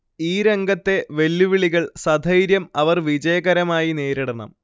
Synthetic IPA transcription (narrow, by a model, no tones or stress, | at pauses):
iːɾe̞ŋɡʱɐt̪ːe̞ʋe̞lːuʋiɭiɣɐɭsɐd̪ʱɐjɾjɐmɐʋɐrʋid͡ʑɐjɐɣɐɾɐmaːjine̞ːɾiɽɐɳɐ̰m